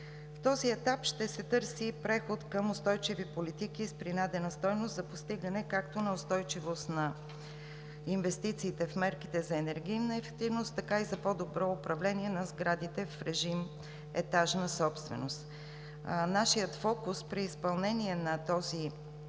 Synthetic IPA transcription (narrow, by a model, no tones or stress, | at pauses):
ft̪ɔziɛt̪apʃt̪ɛsɛt̪ɤɾsipɾɛxot̪kəmʊst̪ɔjt͡ʃivipolit̪ik̟ispɾinad̪ɛnəst̪ɔjnost̪zɐpost̪iɡənɛkakt̪onɐʊst̪ɔjt͡ʃivost̪nɐ | invɛst̪it̪siːt̪ɛfmɛɾkit̪ɛzɐɛnɛɾɡ̟ijnəɛfɛk̚t̪ivnost̪ːɐkaizɐpod̪obɾɔʊpɾɐvlɛniɛnɐzɡɾad̪it̪ɛfɾɛʒim | ɛ̰t̪aʒnəsɔpst̪vɛ̰nost̪ | naʃijət̪fɔkʊspɾiːspɐlˠnɛniɛnɐt̪ɔzi